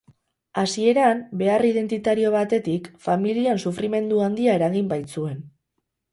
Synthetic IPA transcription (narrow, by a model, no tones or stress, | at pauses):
asie̞ɾambe̞arið̞e̞nt̪it̪aɾio̞β̞at̪e̞t̪ikfamiliansufɾime̞nd̪uand̪iae̞ɾaɣimbajt͡sue̞n